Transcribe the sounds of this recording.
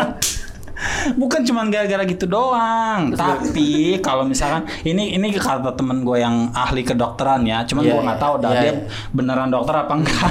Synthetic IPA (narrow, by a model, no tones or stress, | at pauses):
bukant͡ʃumanɡaɾaɡaɾaɡit̪udoaŋt̪apikalomisalkan | iniːnikaɾt̪at̪əmənɡuajaŋahlikədɔk̚t̪əɾanjat͡ʃumanɡuaŋɡaʔt̪audadia | bənəɾandɔk̚t̪əɾapaŋɡa